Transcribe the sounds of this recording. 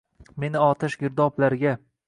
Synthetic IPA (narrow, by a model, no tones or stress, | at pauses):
me̞nɪɒt̪ʰɪʃɡʲɪɾd̪ɒplaɾɪɡʲa